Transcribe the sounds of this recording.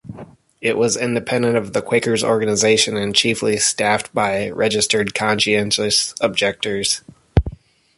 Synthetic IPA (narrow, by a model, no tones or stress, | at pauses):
ɪʔwʌzɪ̃ndɨpʰɛ̃ndɨ̃ntʌvðɨkʰw̥eɪkə˞zɔ̰ɹɡɨnɨzeɪʃɨ̃nɨ̃nt͡ʃʰiflistæft̚b̥aɪɹʔɛd͡ʒɨstə˞d̚kʰɑ̃nʃiɛ̃nʃɨsəb̚d͡ʒɛk̚tə˞z̥